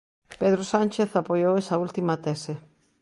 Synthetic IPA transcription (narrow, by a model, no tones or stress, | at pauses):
peð̞ɾosanʲt͡ʃeθapojowesɐult̪imat̪ese